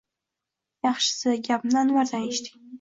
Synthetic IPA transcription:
jɑχʃɪ̥sɪɡʲapmnanwaɾd̪aneʃt̪ʰɪ̥kʲ

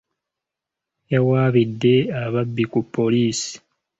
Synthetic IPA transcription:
jawaːβidːe̞aβabːikupʰːo̞liːsi̥

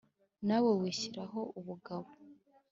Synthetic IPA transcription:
nawewiːɕiɾaɦo̞uβuɡaβo

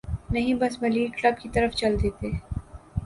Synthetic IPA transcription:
nɐɦĩbɐsmɐliːklɐb̚kit̪ɐɾəft͡ʃɐld̪eːt̪eː

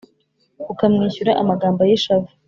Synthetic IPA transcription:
ukamŋiːçuɾaʔamaɡaːmbojiʃavu

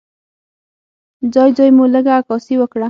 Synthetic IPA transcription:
d͡ʒɑjd͡ʒɑjmuləɡaːkɑsiwəkɽa

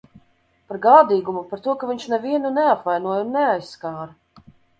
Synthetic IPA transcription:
paɾɡaːd̪iːɡumupaɾt̪uɔkaviɲʃnɛviɛnunɛapvajnuɔjunːɛajskaːɾ

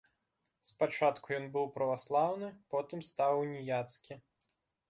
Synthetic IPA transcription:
spat͡ʂat̪kujɔnbɨwpɾɐvaslˠawnɨpɔt̪ɨmst̪awnʲijat̪skʲi

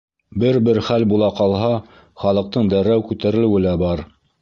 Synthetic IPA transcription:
bɘɾbɘɾχælbulˠɑqɑlˠɦɑ | χɑlˠɤ̆q̚t̪ɤɴd̪æɾæwkʉt̪æɾɘ̆lɘ̆wɘ̆læbɑɾ

